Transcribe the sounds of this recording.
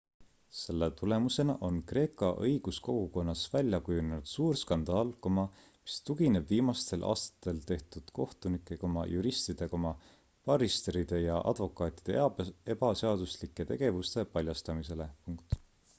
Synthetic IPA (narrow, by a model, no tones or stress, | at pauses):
se̞lːet̪ule̞muse̞nɑʔo̞nkre̞ːkːˑɑʔɤjɡ̥usko̞ɡ̥uko̞nːɑsvælʲjɑkujunenud̪̥suːrskɑnd̪̥ɑːlko̞mɑ | mi̥st̪uɡ̥ine̞bviːmɑst̪e̞lʔɑ̰ːst̪ɑ̥t̪ːˑe̞lt̪e̞ht̪ud̪̥ko̞ht̪unikːˑe̞ko̞mɑ̰juɾist̪id̪̥e̞ko̞mɑ | pɑrist̪eɾid̪̥e̞jɑʔɑ̰d̪̥vo̞kːˑɑːt̪ʲˑi̥d̪̥ee̞bɑseɑd̪̥uslikːˑe̞t̪e̞̰ɡ̥e̞vust̪e̞pɑlʲjɑst̪ɑmise̞le̞puŋk̚t̪ˑ